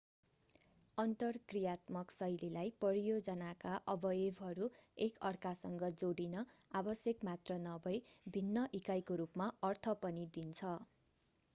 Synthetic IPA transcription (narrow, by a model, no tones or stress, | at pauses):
ʌnt̪ʌrkrijat̪mʌksʌjlelajpʌɾijod͡zʌnakaʔʌbʌjebɦʌɾuekʌrkasʌŋɡʌd͡zoɽinʌabʌsjʌkmat̪rʌnʌbʌjbʱinːʌʔikajkoɾupmaʌrt̪ʰʌpʌnid̪int͡sʰʌ